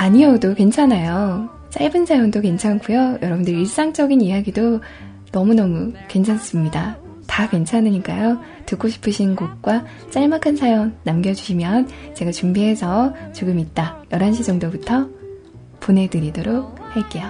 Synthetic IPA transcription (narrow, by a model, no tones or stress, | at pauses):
aɲiodokwe̞nt͡ɕʰanajo | t͡ɕ͈ajbɯnsʰajondoke̞nt͡ɕʰank͈ujojʌɾʌbundɯɾiɭs͈aŋt͡ɕ͈ʌɡinijaɡido | nʌmunʌmukwe̞nt͡ɕʰans͈ɯmɲida | takwe̞nt͡ɕʰanɯɲik͈ajo | tɯk͈oɕʰi̥pʰɯɕʰinɡok̚k͈wa | t͡ɕ͈aɭmakʰɯnsʰajonːamɡjʌd͡ʑuɕʰimjʌnt͡ɕe̞ɡat͡ɕumbiɦe̞sʰʌt͡ɕoɡɯmit̚t͈ajʌɾɦanɕ̬ʰid͡ʑʌŋdobutʰʌ | pone̞dɯɾidoɾok̚haɭk͈e̞jo